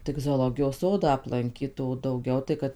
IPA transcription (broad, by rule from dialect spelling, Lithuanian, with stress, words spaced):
tʲɪk zoːˈlˠoːɡʲɪjoːs ˈsoːdɑː ɐplˠɐŋʲˈkʲiːt oː dɐʊˈɡʲɛʊ tɐɪ ˈkɐt